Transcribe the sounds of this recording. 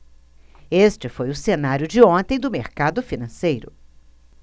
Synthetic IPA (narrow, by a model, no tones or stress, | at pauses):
est͡ʃɪfojʊsenaɾjʊd͡ʒɪõt̪ẽj̃d̪ʊmeɾkad̪ʊfinɐ̃sejɾʊ̰